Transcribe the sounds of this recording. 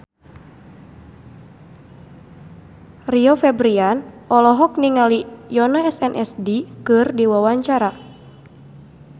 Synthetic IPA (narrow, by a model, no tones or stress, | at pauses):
riɔfɛbɾianɔlɔɦɔk̚niŋalijɔnaɛsɛnʔɛ̰sdikɨrdiwawaɲt͡ʃaɾa